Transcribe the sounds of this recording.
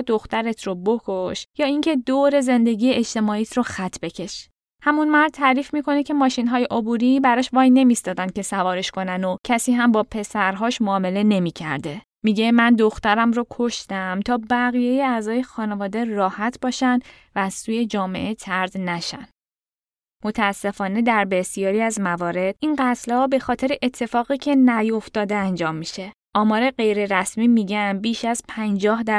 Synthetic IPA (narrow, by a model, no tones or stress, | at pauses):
d̪o̞xt̪æɾe̞t̪ʰɾobokʰoʃjɒːiŋcʰe̞d̪oːɾe̞ze̞nd̪e̞ɟʲiːjeeʃt̪e̞mɒːiːt̪ʰɾoxæt̪ʰbe̞cʰe̞ʃ | hæmunmæɾd̪̚t̪ʰæɾiːfmiːkʰo̞necʰe̞mɒːʃinɦɒːje̞ʔobuɾibæɾɒːʃvɒːjne̞mist̪ɒːd̪ænd̪̚cʰesævɒːɾe̞ʃkʰo̞nænocʰæsiːɦæmbɒːpʰe̞sæɾɦɒːʃmoːme̞le̞ne̞miːcʰæ̰ɾd̪e̞ | miːɟe̞mænd̪o̞xt̪æɾæmɾokʰo̞ʃt̪æmt̪ʰɒːbæɣije̞jeæzɒːje̞xɒːne̞vɒːd̪e̞rɒːhæt̪ʰbɒːʃæn | væːz̥suːje̞d͡ʒɒːme̞̰ʔe̞t̪ʰæɾd̪næʃæn | mo̞t̪ʰæːsːe̞fɒːne̞d̪æɾbe̞sijɒːɾiæzmævɒːɾe̞d̪̥ʔinɢæt̪ʰlhɒːbe̞xɒːt̪ʰe̞ɾeʔet̪ʰːe̞fɒːɣiːcʰe̞næjo̞ft̪ɒːd̪e̞ænd͡ʒɒːmːiʃe̞ | ʔɒːmɒːɾe̞ɢe̞jɾe̞ɾæsmiːmiːɟænbiːʃæzpʰænd͡ʒɒːhd̪æ